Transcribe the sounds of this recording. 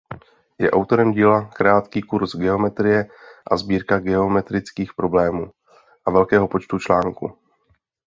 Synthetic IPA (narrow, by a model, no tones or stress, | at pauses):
jɛʔawt̪o̞ɾɛmɟiːlakɾaːt̪kiːkuɾsɡɛo̞mɛt̪ɾɪjɛʔazbiːɾkaɡɛo̞mɛt̪ɾɪt͡skiːxpɾo̞blɛːmuː | ʔavɛlkɛːɦo̞po̞t͡ʃt̪ut͡ʃlaːŋkṵ